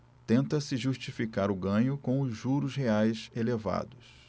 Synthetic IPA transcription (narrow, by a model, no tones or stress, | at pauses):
t̪ẽnt̪ɐsɪʒuʃt͡ʃifikaɾʊɡɐ̃ɲʊkõʊzʒuɾʊzɦeajseleva̰d̪ʊs